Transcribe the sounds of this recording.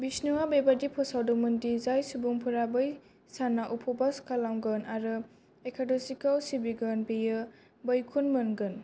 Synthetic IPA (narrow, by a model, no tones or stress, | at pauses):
bisnuwabebadipʰɔsawdɔmɯndizajsubuŋpʰuɾabɯj | sanaʔupʰɔbaskalaŋɡɯnaɾɯ | ekʰadɔsikalsibiɡɯnbejɯ | bəjkʰunmɯnɡɯn